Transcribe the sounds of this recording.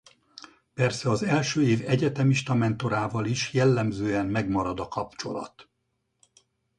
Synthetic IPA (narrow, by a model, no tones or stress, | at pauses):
pɛrsɛɒzɛlʃøːeːvɛɟɛt̪ɛmiʃt̪ɒmɛnt̪o̞ɾaːvɒliʃjɛlːɛmzøːɛmmɛɡmɒɾɒd̪ɒkɒpt͡ʃo̞̰lɒ̰t̪